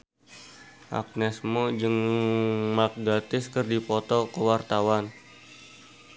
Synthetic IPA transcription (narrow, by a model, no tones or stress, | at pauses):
ʔa̰k̚nɛsmod͡ʒəŋ | mak̚ɡat̪ɪskərdipɔt̪ɔkəwart̪awan